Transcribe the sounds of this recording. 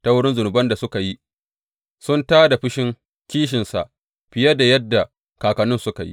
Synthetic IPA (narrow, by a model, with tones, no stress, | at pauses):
ta˦wʊ˦ɽɪ˦nzʊ˨nʊ˨bɐ˦nda˨sʊ˦ka˨ji˦ | sʊ˦ntaː˦da˨ɸɪ˦ʃɪ˦ŋ | kʲiː˦ʃ̬ɪ˨nsa˨ʔ | ɸɪ˨jɐ˦da˨jɐ˦dːa˨ | kaː˨kɐ˨nʊ˦nsʊ˦ka˨jḭ˦